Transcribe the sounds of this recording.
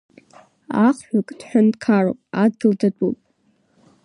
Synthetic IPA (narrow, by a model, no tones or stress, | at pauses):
aχħʷᶣakʼd̥ħʷᶣankʰaro̰pʼad̚ɡʲɪldadʼṵpʼ